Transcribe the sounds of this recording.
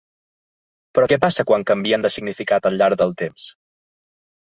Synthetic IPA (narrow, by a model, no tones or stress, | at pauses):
pɾɔkɛpasəkwaŋkəmbiənd̪əsiɡnifikat̪əlʎːaɾɣðəlˠt̪ems